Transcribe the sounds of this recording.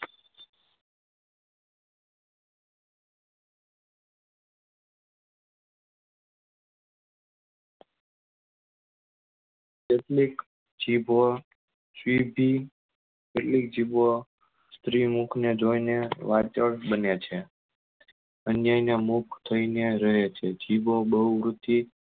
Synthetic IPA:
keʈlik | d͡ʒibʱo | sʋibʱi | keʈlik̚d͡ʒibo | st̪ɾimukʰned͡ʒoineʋat͡ʃəɭbənet͡ʃʰe | ənjainamukʰt̪ʰəineɾəɦet͡ʃʰed͡ʒibʱobəɦuʋɾut̪i

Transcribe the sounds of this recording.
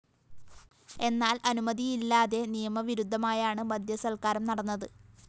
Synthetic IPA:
e̞nːaːlɐnumɐðijilːaːðe̞nijɐmɐʋiɾud̪ʱːɐmaːjaːɳɨmɐd̪ʱjɐsɐlkaːɾɐmnɐɽɐnːɐðɨ

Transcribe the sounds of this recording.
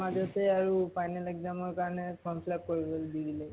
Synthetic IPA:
ad͡ʒɔtɛaɹupʰajnalɛkzamɔɹkaɹɔnɛkɔmpʰlap̚koɹiɡɔld̪iɡile

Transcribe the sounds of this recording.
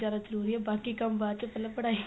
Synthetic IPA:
jaːd̪azəɾuːɾiɦɛbaːkikɐmbaːd̪t͡ʃepɐlapɐɽaːi

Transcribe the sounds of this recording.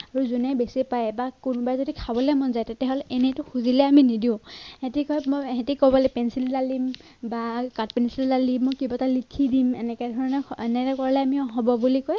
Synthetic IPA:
aɹuzunɛjbesipajbakunbajzodikʰabɔlɛmɔnzajtetɛɦɔlɛnɛtʊxuzilɛaminidiʊ̃hetikɔjmɔɦetikɔbɔlɛpɛnsillalim | bakat̚pɛnsillalimːojkibatalikʰidimɛ̰nɛkɛdʱɔɹɔnɛɛnɛtɛkɔɹalɛamiɔɦɔbɔbulikɔj

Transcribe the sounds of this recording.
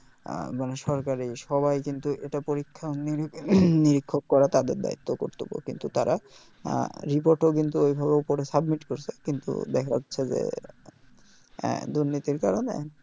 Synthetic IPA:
maneʃɔɾkaɾiʃɔβajkint̪uʔeʈapoɾikʰːaoniniɾikʰːok̚kɔɾat̪ad̪eɾd̪a̰it̪ːoko̰ɾt̪obo̰kint̪ut̪aɾʔa̰ | ɾipoɾʈok̬int̪uojbʱabeopoɾesabmiʈkoɾt͡ɕʰekint̪ṵd̪ɛkʰatːɕʰed͡ʑḛ | d̪uɾnit̪iɾkaɾonḛ

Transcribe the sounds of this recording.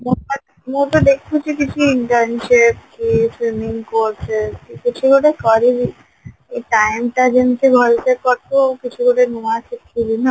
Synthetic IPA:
mo | moʈ̪od̪ekʰːut͡ʃikit͡ɕʰuiɳʈaɾnʃepkifɾimiŋkoɾt͡ʃʰeskikit͡ɕʰuɡʱoɽekɔɾili | eʈajmʈad͡ʑent̪eɡʱɔlt̪eɾkɔɾokit͡ɕʰuɡʱoɽenoakʰekʰːilina

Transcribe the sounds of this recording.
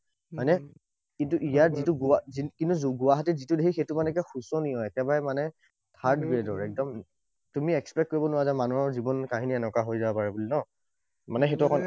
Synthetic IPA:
majnɛ | kintuʔijaɹzituɡuaikintuzɡʊwaɦatɛzitudeɦixetʊmanɛkɛxusɔniɔɛkɛbaɹɛmanɛ | tʰaɹdɡɹedɔɹɛk̚dɔm | tumiɛkspɛk̚kːoɹibɔnʊwazamanuɔɹzibɔnkaɦiniɛnɔkaɦojzabapaɹɛbulinɔ | manɛxetuɛkʰɔn

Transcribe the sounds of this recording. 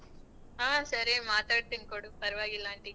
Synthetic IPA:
aːsɐɾemaːt̪aːɽt̪ːɯŋkoɽɯpɐɾɯʋaːɣɪlːaːɳʈi

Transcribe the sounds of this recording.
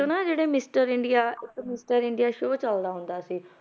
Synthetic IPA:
ʊnãːd͡ʒeːɽeːmɪsʈəɾɪɳɖijaːɪkmɪsʈəɾɪ̃ɳɖijaːʃoːt͡ʃəld̪aːɦʊ̃nd̪aːsiː

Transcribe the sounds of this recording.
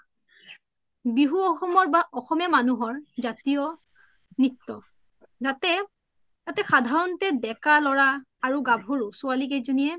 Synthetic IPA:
biɦuɔxɔmɔɹbaʔɔxɔmɛmanuɦɔɹzatijɔ | nik̚tɔ | zatɛ | tatɛxadʱaɹɔntɛdɛkalɔɹaː | ɹuɡabʱoɹusualik̬ejzonijɛ

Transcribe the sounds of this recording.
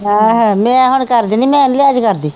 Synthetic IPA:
ɦãɦɛ̃mɛ̃ːɦʊɳkəɾd̪iːniːmɛ̃ːɪnleːəd͡ʒkəɾd̪iː

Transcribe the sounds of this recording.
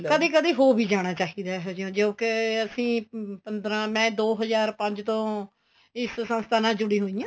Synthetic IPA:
kəd̪iːkəd̪iːɦoːbʱiːd͡ʒaːɽ̃aːt͡ʃaːɦiːd̪aːɦːd͡ʒõːd͡ʒoːkɪəsĩːpənd̪ɾãːmɛ̃ːd̪oːɦəzaːɾpəɲd͡ʒt̪õː | ɪssənst̪ʰaːnãːd͡ʒʊɽiːɦoːijãː

